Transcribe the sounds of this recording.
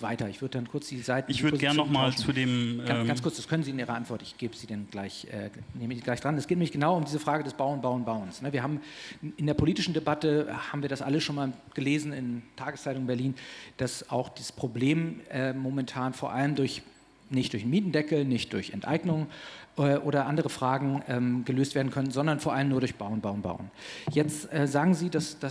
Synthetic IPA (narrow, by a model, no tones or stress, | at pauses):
vaɪtɐɪçv̥ʏɐdəd̥ankʰʊɐt͡sd̥iːzaɪtnɪçv̥ʏdɡɛɐnnɔχmaːlt͡sudeːmɡant͡sskʊɐt͡sd̥askʰœnənziːɪnʔiːʁɐ̰ʔantv̥ɔɐtɪçɡ̥eːbəz̥iːdɛnɡlaɪçʔɛ̰ːneːməiːɡlaɪçd̥ʁanɛsɡ̥eːtnɛmlɪçɡ̥ənaʊɐʊmdiːzəfʁ̥aːɡədɛsb̥aʊnbaʊənbaʊənsnəviːɐɦaːbmʔɪndeːɐpʰoliːtɪʃn̩debatəhaːbmviɐdasʔaləsʃoːnmaːl | ɡ̥əleːzn̩ɪntʰaːɡəst͡saɪtʊŋnbɛɐliːnd̥asaʊxd̥iːzspʁ̥obleːmʔɛːmomɛntʰaːnfoːɐʔaləmdʊɐç | nɪçtd̥ʊɐçmiːtn̩dɛkl̩nɪçt̚d̥ʊɐçɛ̰ntʔa̰ɪɡnʊŋʔɛːʔoːɾɐʔandəʁəfʁ̥aːɡŋ̩ʔɛːmɡəløːstv̥eːɐdn̩kʰœnən̩zɔndɐnfoːɐʔaləmnuːɐɾʊɐçb̥aʊnbaʊnba̰ʊən | jɛt͡stʔɛːzaːɡŋ̩ziːdasd̥as